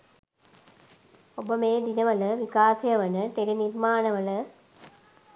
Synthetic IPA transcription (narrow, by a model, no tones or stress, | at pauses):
obəmeːd̪inɐʋɐləʋikaːsɐjɐʋɐnət̪eɾiniɾmaːnɐʋɐlə